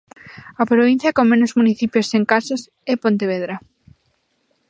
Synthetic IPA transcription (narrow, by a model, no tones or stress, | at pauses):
apɾoβ̞in̟θjɐkoŋmẽnozmuniθipjoseŋkasas | epont̪eβ̞eð̞ɾa